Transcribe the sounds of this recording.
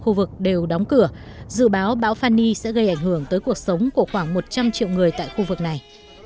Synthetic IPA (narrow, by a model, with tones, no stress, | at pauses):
xu˧vɨ˨˩k̚ɗe˨˩wɗɔ˨˦wŋ͡mkɨ˧˩əzɨ̰˧˨ɓaː˨˦wɓa̰ː˧˥wfaː˧nːi˧sɛ̰˧˥ɣə˧jʔa˧˩jŋ̟hɨ˧˩əŋt̪əː˨˦jku˨˩ək̚sə˨˦wŋ͡mku˧˩əxwaː˧˩ŋmo˨˩t̚t͡ɕa˧mt͡ɕḭ˧˨əwŋɨ˨˩əjt̪a̰ː˧˨jxu˧vɨ˨˩k̚na˨˩j